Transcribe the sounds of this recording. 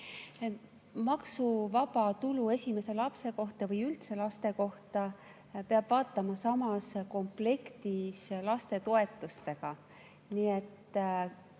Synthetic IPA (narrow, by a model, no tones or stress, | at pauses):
mɑksuvɑbɑt̪ulue̞sʲime̞se̞lɑpse̞ko̞ht̪ɑvɤjylt̪se̞lɑst̪e̞ko̞ht̪ɑ | peɑb̥vɑːt̪ːˑɑmɑsɑmɑsko̞mple̞kt̪islɑst̪e̞t̪o̞e̞t̪ːˑust̪e̞ɡ̥ɑ | niet̪ː